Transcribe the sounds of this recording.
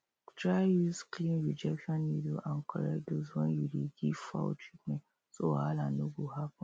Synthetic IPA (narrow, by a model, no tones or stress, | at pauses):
tɹajusklĩnɹid͡ʒɛkʃɔ̃nːidoʔãnkʰɔɹɛkdoswɛ̃njudeɡiv̥fa̰tʰɹitmɛ̃t | soaalanoɡohapɔ̃